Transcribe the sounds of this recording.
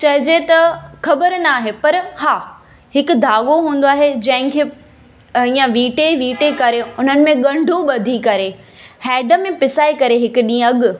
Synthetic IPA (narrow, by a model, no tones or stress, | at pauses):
t͡ɕɐɦɪd͡ʑet̪ɐxɐbəɾnaːɦepɐɾhaː | hɪkʊ̆d̪ʱaːɠoɦũːnd̪oaːɦed͡ʑɐ̃ɦɪ̃kʰeː | iːjə̃ʋiːʈeʋiːʈekɐɾeʊn̤ənɪ̆mẽɠɐ̃ɳɖʱoɓɐd̪ʱikɐɾe | hɛːɖəmẽpɪsaːikɐɾeɦɪkʊɗĩːɐɠʊ̆